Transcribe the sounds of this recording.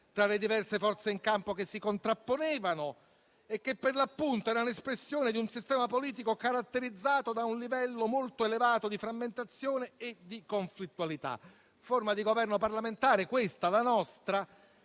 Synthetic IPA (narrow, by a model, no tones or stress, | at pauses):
t̪ɾaled̪ivɛrsefɔrt̪seiŋkampokesːikont̪ɾapːonɛːvano | ekːepːerlapːunt̪oɛɾaunespɾesːjoːned̪iunsist̪ɛːmapoliːt̪̬ikokaɾat̪ːeɾid̪zːaːt̪od̪aunlivɛlːomolt̪oelevaːt̪od̪ifɾamːent̪at̪sːjoːneːd̪ːikoɱflit̪ːualit̪a̰ | formad̪iɡovɛrnoparlament̪aːɾekwest̪alanɔst̪ɾa